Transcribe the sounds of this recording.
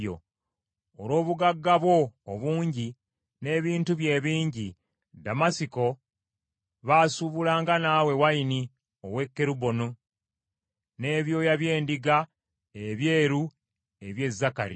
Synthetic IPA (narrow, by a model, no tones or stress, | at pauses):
o̰ | olo̞ːβuɡaɡːaβwo̞ːβuːɲɟi | ne̞ːβiːntuβje̞ːβiːɲɟi | damasiko̞ | βaːsuβulaːŋɡanaːwe̞waini | o̞we̞kːe̞ɾubo̞nu | ne̞ːβjo̞jaβje̞ːndiɡa | eβje̞ːɾu | e̞βje̞zːaka̰ɾḭ